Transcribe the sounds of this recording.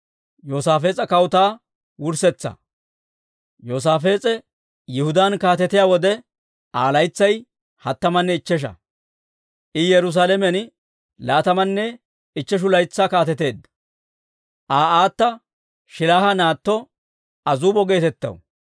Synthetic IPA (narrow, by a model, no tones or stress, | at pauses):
joːsaːfe̞ːt͡sʼɐkɐwt̪aː | wʊɾsɛt͡sːɐ̰ | joːs̬aːfe̞ːt͡sʼɛ | jɪhʊd̪ankaːt̪ɛt̪ɪjaːwɔd̪ɛ | ʔaːlɐjt͡sːɐj | hɐt̪ːɐmɐnːɛɪt͡ʃːɛʃ̬ɐ̰ | ʔɪjɛɾʊs̬aːlɛmɛn | laːt̪ɐmɐnːɛ | ɪt͡ʃːɛʃ̬ʊlɐjt͡sːakaːt̪ɛt̪e̞ːd̪ːɐ | ʔaːaːt̪ːɐ | ʃɪlaːhɐnaːt̪ːɔ | ɐzuːbɔɡe̞ːt̪ɛt̪ːɐ̰w